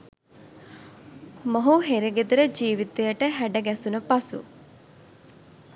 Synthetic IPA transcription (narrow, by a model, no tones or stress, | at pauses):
moɦuɦeɾeɡed̪əɾəd͡ʒiːʋit̪ejəʈəɦæɖəɡɛsunəpasṵ